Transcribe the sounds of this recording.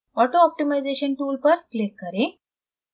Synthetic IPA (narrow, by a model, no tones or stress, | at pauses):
ɔʈoɔp̚ʈimajd͡zeɕənʈuːlpəɾklekːəɾẽ